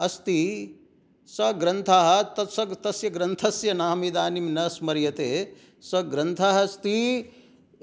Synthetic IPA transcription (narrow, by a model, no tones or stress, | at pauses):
ɐst̪i | sɐɡɾɐnt̪ʰaːɦɐ̆t̪ɐsɐt̪ɐsjɐɡɾɐnt̪ʰɐsjɐnaːmid̪aːnimnɐsmɐɾjɐt̪eː | sɐɡɾɐnt̪ʰaːɦɐst̪i